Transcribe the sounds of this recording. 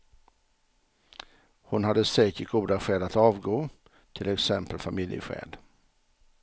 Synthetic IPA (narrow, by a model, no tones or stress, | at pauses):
hʊnhad̪ːəsɛːkəɾɡuːd̪aɧɛːlat̪ɑːvɡoː | t̪ʰɪlɛksɛmpəlfamɪljə̰ɧɛ̰ːd̪